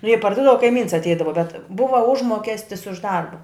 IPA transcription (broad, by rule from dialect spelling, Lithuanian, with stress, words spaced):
jɛɪ pɐrˈduːdɐʋɐ kɐɪˈmʲiːns ɐtʲˈɛɪdɐʋɐ bʲɛt ˈbʊʋɐ ˈʊʒmoːkʲɛsʲtʲɪs ʊʃ ˈdɐrbɐ